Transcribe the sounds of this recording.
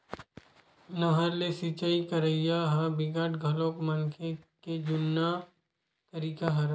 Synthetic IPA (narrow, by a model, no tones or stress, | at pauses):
nɐɦəɾlesit͡ʃaikɐɾəijaɦabɪɡaʈɡʱɐlõkmənkʰeked͡ʒʊnːa | t̪ɐɾiːkaɦɐɾ